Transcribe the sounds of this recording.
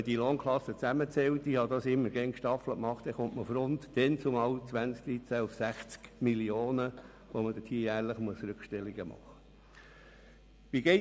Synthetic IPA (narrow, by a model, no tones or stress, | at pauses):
əd̥iloːŋkʰlɑsət͡sæmət͡sɛwt̪ihɑd̪ɑsɪmːəɾɡɛŋkʃtɑfləkmɑχtd̥ɛχʊmʔməfɾʊnt̪d̥ɛnt͡sʊmɑwt͡sʋænt͡sk̚d̥̪ɾit͡sæufsæχt͡skmilioːnə | ʋoməd̥̪ətʰiːjæːɾləχmuəsɾʉkʃtɛlːiɡ̥əmɑ̰χə̥ | ʋiɡɛɪ